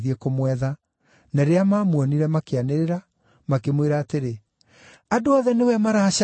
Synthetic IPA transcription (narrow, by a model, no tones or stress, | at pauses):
ðiekomwɛða | naɾeamaːmwɔniɾɛmakeaneɾeɾa | makemweɾaːteɾe | adoɔðɛnewɛmaɾaɕa